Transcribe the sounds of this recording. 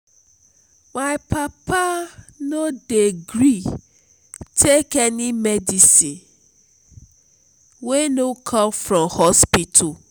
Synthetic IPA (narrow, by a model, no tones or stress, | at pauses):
maɪpapanodeɡɾi | tʰekenimedisĩn | wenokʰɔ̃mfɾɔmhɔspitʰu